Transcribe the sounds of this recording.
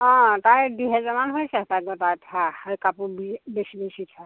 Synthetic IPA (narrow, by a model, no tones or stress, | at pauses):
ɔ̃tajduɦɛzamanɦojsɛtajɡɔtajtʰahajkapubibesibesitʰa